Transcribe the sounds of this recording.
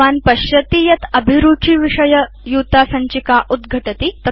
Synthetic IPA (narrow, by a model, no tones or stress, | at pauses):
aːnpɐɕjɐt̪iːjɐt̪ɐbʱiɾuːʈʰiːʋiʂɐjə | juːt̪asɐɲt͡ɕikaʔud̪ɡʱɐʈɐt̪it̪ɐ